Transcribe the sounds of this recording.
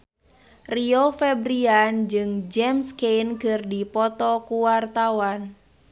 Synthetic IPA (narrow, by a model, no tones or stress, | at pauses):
riofɛbɾiand͡ʒɨŋd͡ʒɛmskejnkɨrdipɔt̪ɔkuwart̪awan